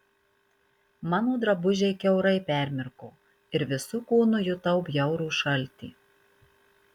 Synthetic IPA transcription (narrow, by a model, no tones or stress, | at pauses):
mɑːnoːd̪ɾɐbʊʒʲeɪkʲɛʊɾɐɪpʲæˑɾʲmʲɪɾkoː | ɪɾʋʲɪsʊkuːnʊjʊt̪ɐʊpjɛʊɾuːʃɐlʲt̪ʲḭː